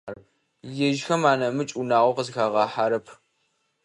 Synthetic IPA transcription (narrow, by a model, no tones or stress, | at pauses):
jɛʒxɐmaːnɐmɨt͡ʃʼunaːʁʷɔqəzxaːʁɑːħaɾɐpʰ